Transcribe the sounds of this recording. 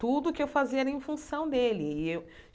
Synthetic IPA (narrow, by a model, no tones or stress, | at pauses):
t̪ud̪ʊkɪewfaziɛɾɐẽfũsɐ̃w̃d̪elɪɪew